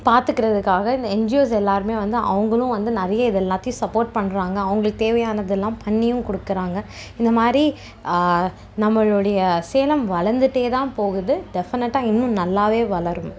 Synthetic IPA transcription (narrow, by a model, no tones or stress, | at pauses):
paːɾt̪ɯkːɪɾɐðɯkːaːɣɐɪnd̪ɐɛnd͡ʒɪoːs̬ɛlːaːɾɯmeːʋɐnd̪ɯʔɐ̰ʋɐŋɡɐɭʊ̃ʋɐnd̪ɯnɐɾɐjɐɪðɛlːaːt̪ːɪjʊ̃sɐpːoːɾʈ̚pɐɳːɾaːŋɡɐːʋɐŋɡɐɭɯkːɯt̪eːʋɐjaːnɐðɛlːãːpɐɳːɪjʊ̃kɔɽɯkːɪɾaːŋɡɐ | ɪnd̪ɐmaːd̪ɾi | nɐmːɐɭʊɽɐjɐseːlɐmʋɐɭɐɾnd̪ɯʈːeːt̪ãːpoːɣɯðɯɖɛfɪnɛʈːãːɪnːʊ̃nɐlːaːʋeːʋɐɭɐɾɯm